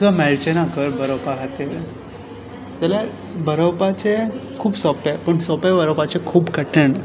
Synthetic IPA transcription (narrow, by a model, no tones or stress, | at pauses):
sʋamɛlt͡ɕenakəɾbəɾəwpaɦat̪e | t̪ala | bəɾəwpat͡ɕekʰuːbsɔpepəɳsɔpebəɾəpat͡ɕekʰuːbkəʈeɳ